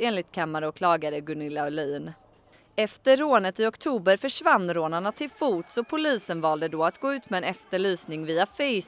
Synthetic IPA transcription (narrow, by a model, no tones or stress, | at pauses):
eːnlɪt̪̚kʰamːaɾəɔkʰlɑːɡaɾəɡɵnɪlːaɔlyːn | ɛft̪əːoːnət̪ɪɔkt̪ʰuːbəɾfœʂvanːɾoːnaɳat̪ʰɪlfuːt̪sɔpʰʊliːsənvɑːld̪əd̪ɔːat̪ɡoːʉ̟ːt̪mɛɛnɛft̪əɭyːsnɪŋviːafɛj